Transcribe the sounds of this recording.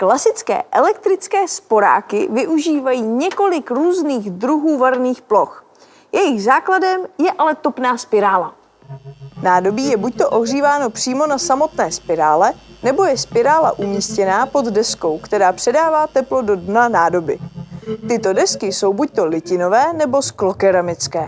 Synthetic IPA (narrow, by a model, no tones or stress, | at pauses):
klasɪt͡skɛ̰ːʔɛlɛk̚t̪ɾɪt͡skɛːspo̞ɾa̰ːkɪ̰vɪʔuʒiːvajiːɲɛko̞lɪkɾuːzniːɣd̪ɾuɦuːvaɾniːxplo̞x | jʔɛjɪɣzaːkladɛmjɛʔalɛt̪o̞pnaːspɪɾaːla̰ | naːdo̞biːjɛbuc̚t̪o̞ʔo̞ɦr̝iːvaːno̞pr̝̥iːmo̞nasamo̞t̪nɛːspɪɾa̰ːlɛnɛbo̞jɛspɪɾaːla̰ʔumiːscɛnaːpo̞d̪dɛsko̞wkt̪ɛɾaːpr̥ɛdaːvaːt̪ɛplo̞do̞dnanaːdo̞bɪt̪ɪt̪o̞dɛskɪso̞wbuc̚t̪o̞lɪcɪno̞vɛːnɛbo̞sklo̞kɛɾamɪt͡skɛː